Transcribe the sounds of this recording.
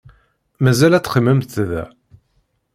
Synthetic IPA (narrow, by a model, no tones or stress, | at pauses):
mæzælæt͡sːχəmːəmθθðæ̰